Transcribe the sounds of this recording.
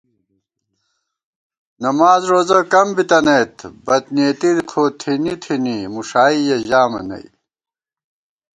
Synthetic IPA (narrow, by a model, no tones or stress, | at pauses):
nɐmaːzɾoːzɐkɐmbit̪ɐnejt̪bɐt̪neːt̪idkʰoːt̪ʰinit̪ʰinimuʂaːijɐʑaːmɐ̰nɐ̰i